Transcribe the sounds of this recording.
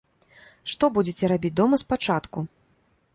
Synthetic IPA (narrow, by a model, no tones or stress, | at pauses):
ʂt̪ɔbud͡zʲet͡sʲɛɾabʲit͡sʲd̪ɔmɐspat͡ʂat̪ku